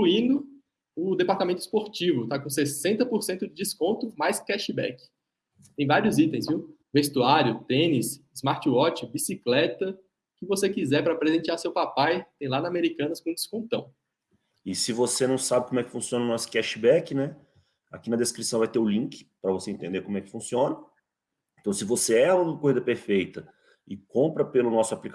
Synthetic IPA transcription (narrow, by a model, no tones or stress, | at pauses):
kluĩnd̪ʊ | ʊd̪epaɾt̪amẽnt̪ʊispoɾt͡ʃivʊt̪akõsesẽnt̪ɐpoɾsẽnt̪ʊd͡ʒɪd͡ʒiskõnt̪ʊmajskɛʃɪbɛ̰kɪ̥ | t̪ẽj̃vaɾiʊzit̪ẽj̃zviw | vest̪uaɾjʊt̪ẽnisɪzmaɾt͡ʃiɔt͡ʃɪbisiklɛt̪ɐ | kɪvosekizɛɾpɾɐaːpɾezẽnt͡ʃiaɾsewpapajt̪ẽj̃lanɐameɾikɐ̃nɐskõũd͡ʒɪskõnt̪ɐ̃w̃ | ɪsɪvosenɐ̃w̃sabɪkõmʊɛkɪ̥fũsiõnɐʊnɔsʊ̥kɛʃibɛkɪnɛ | a̰kinɐd̪eskɾisɐ̃w̃vajt̪eʊlĩkɪ̥pɾɐvoseẽnt̪ẽd̪eɾkõmʊɛkɪ̥fũsiõnɐ | ẽt̪ɐ̃w̃sɪvoseɛũkojzɐpeɾfejt̪ɐ | ɪkõmpɾɐpelʊnɔsʊaplik